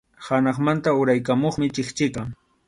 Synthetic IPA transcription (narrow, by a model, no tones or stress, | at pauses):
hanɑχmant̪aʊɾajkamoχmɪt͡ʃɪχt͡ʃɪkaŋ